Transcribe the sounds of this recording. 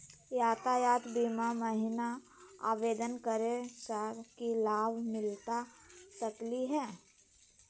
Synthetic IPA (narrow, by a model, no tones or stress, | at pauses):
jaːt̪ajaːt̪biːmaməɦɪna | a̰ːʋeːd̪ənkəɾesaɾkilaːbʱmɪlt̪asəkliɦɛː